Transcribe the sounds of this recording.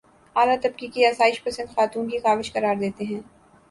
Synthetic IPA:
aːlat̪ɐb̚kikiaːsaːɪʃpɐsə̃nd̪xaːt̪uːnkixaːʋɪʃkɐɾaːɾd̪eːt̪eɦɛ̃ː

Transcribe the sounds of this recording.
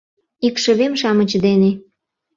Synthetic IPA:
ikʃə̆βemʃɑmə̆t͡ɕd̪ene

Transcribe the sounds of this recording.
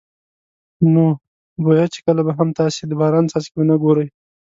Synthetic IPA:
no | bajat͡ʃe̥kəlabaɦamt̪ɑsed̪əbɑɾɑnsɑse̥kbanaɡoɾəj

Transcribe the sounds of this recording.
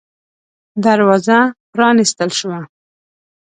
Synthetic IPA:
d̪aɾwɑzapɾɑnist̪əlʃwa

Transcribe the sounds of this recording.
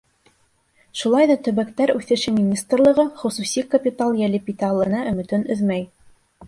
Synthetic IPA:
ʃulˠɑjðɑt̪ɵ̆βækt̪æɾʉθɘ̆ʃɘmʲinʲist̪rlˠɤ̆ʁɤχŏsusʲikɐpʲit̪alˠjælɘpit̪æɑlˠɤ̆nɑʔɵ̆mɘ̆t̪ɵnɵðmæj

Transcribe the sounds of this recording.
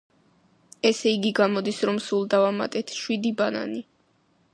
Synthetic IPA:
ɛsɛiɡiɡamɔd̪isɾɔmsulˠd̪avama̰t̪ʼɛt̪ʰʃwid̪ibana̰ni

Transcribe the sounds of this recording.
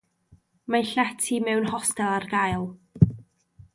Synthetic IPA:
maɬɛtʰimɛwnhɔstɛlˠarɡajlˠ

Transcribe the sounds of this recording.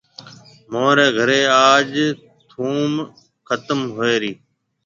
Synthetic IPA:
moːɾeːɡʱəɾeːaːʄ | t̪ʰuːm | kʰət̪əmɦoeːɾiː

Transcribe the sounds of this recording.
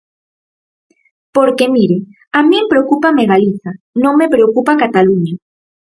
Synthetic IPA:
poɾkemiɾe | amĩempɾeokupameɣaliθa | nõŋmepɾeokupakat̪aluɲa

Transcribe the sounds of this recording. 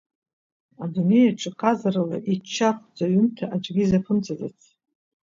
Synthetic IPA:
adune̞jaʈ͡ʂʰʼɨqʰʼazarala̰ʔit͡ʃʰːaχʷʰd͡zaɥʏntʰaʔad͡ʒɡʲizapʰɨmt͡sʰʼazet͡sʰ

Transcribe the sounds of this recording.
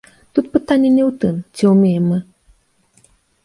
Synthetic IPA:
t̪ut̪̚pɨt̪anʲːɛnʲɛwt̪ɨmt͡sʲiwmʲejmːɨ

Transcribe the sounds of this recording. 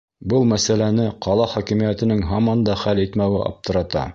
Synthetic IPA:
bɤlˠmæsælænɘqʰɑlˠɑχækɘ̆mijæt̪ɘ̆nɘŋɦɑmɑnd̪ɑχælit̪mæwɘʔɑ̰p̚t̪ɤ̆ɾɑt̪ɑ̰

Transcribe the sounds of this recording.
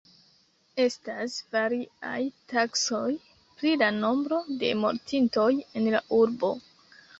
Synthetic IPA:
e̞stasvaɾia̰jtakso̞j | pɾilano̞mbɾo̞de̞̰mo̞̰ɾtʰinto̞je̞nlaʔuɾbo̞̰

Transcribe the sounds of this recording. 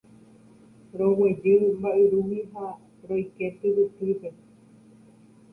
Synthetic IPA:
ɾowed͡ʒɨmbaʔɨɾuwiɦa | ɾojket̪ɨβɨt̪ipe

